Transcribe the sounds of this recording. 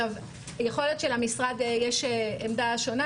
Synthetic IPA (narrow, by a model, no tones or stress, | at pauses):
av | jeχo̞le̞t̪ʃe̞lamisʁad̪jeʃeemd̪aʃo̞na